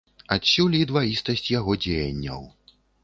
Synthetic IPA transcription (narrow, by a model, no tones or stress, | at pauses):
at̪sʲulʲid̪vajist̪ɐsʲt͡sʲjaɣɔd͡zʲejɐ̰nʲːɐ̰w